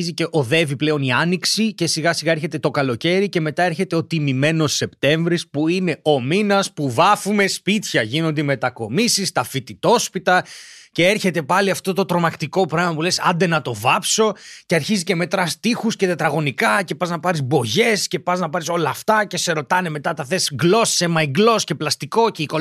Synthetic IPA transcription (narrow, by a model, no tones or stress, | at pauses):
izice̞ʔoðe̞viple̞o̞niɐniksice̞siɣɐsiɣɐe̞ɾçe̞t̪et̪o̞kɐlo̞ce̞ɾice̞me̞t̪ɐe̞ɾçe̞t̪eo̞t̪imime̞no̞sːe̞pt̪e̞ɱvɾispuine̞o̞minɐspuvɐfume̞spit̪çɐʝino̞nd̪eme̞t̪ɐko̞misist̪ɐfit̪it̪o̞spit̪ɐce̞eɾçe̞t̪e̞pɐliɐft̪ot̪o̞t̪ɾo̞mɐkt̪iko̞pɾɐɣmɐpulesɐ̰nd̪e̞nɐt̪o̞vɐpso̞ceɐɾçizice̞me̞t̪ɾɐst̪ixusce̞t̪et̪ɾɐɣo̞nikɐce̞pɐznɐpɐɾizbo̞ʝe̞sce̞pɐznɐpɐɾiso̞lɐːft̪ɐce̞se̞ɾo̞t̪ɐne̞me̞t̪ɐt̪ɐθesɡlo̞ssemɐiɡlo̞sce̞plɐst̪iko̞ceiko